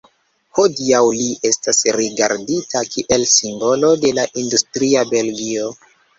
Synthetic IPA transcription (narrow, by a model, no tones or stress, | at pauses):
ho̞diawliʔe̞stasɾiɡa̰ɾditʰakʰiʔe̞lsimbo̞lo̞de̞laʔindustɾiabe̞lɡio̞